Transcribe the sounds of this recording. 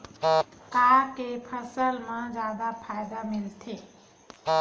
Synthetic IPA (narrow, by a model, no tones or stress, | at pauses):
kaːɾkepʰəsəlmãd͡ʒjaːd̪apʰaːɪd̪amɪlt̪ʰeː